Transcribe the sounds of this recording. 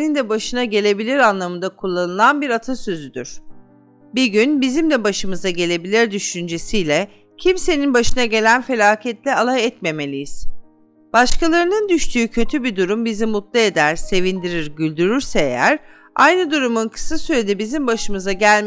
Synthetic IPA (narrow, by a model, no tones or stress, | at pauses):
nind̪ɛbaʃɯnaɟe̞lʲe̞bilʲiɾanlˠamɯnd̪akʰulˠːanɯlˠanbiɾat̪ʰasø̞zyd̪yɾ̥ | biɟynbizimd̪ɛbaʃɯmɯzaɟe̞lʲe̞bilʲiɾd̪yʃynd͡ʒe̞sijlʲɛ | cʰimse̞ninbaʃɯnaɟe̞lʲænfe̞lʲaːcʰɛt̪lʲɛalˠaɛt̪me̞me̞lʲijiz̥ | b̥aʃkalˠaɾɯnɯnd̪yʃt̪ʰyːcʰø̞t̪ʰybid̪uɾumbizimut̪lˠae̞d̪æɾ̥se̞vind̪iɾiɾɟylʲd̪yɾyɾsɛḛjæɾ | a̰jnɯd̪uɾumunkʰɯ̥sasyɾe̞d̪ɛbizimbaʃɯmɯzaɟælʲ